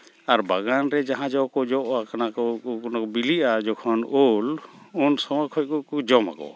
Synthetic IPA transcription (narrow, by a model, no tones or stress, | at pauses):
aɾbaɡanɾɛd͡ʒaɦãd͡ʒɔwkɔd͡ʒɔʔakanakɔkɔnakɔbiliʔad͡ʒɔkʰɔnolunsɔmɔkʰɔc̚kɔkɔd͡ʒɔma̰kɔ̰